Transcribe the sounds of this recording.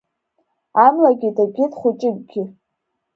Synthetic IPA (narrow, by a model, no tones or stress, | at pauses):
amlaɡʲɪdaɡʲɪtχʷʊt͡ʃʼɪɡʲɡʲɪ